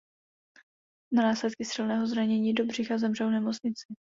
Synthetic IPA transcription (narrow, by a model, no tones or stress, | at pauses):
nanaːslɛt̪kɪsɪlnɛːɦo̞zɾaɲɛɲiːdo̞br̝ɪxazɛmr̝ɛlwnɛmot͡sɲɪt͡sɪ